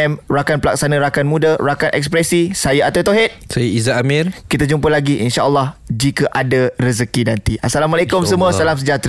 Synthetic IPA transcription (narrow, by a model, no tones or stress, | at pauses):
ɛmrakanpəlak̚sanãɾakanmũdaɾakanʔɛ̰kspɾɛsisajaʔat̪awt̪oɦet̪̚sajiizaamirkit̪ad͡ʒumpəlaɡiʔinʃaʔəlːɑhd͡ʒikəʔadarəzəkinãnt̪iʔasalamalekʊmsəmũasalamsəd͡ʒat̪ɾ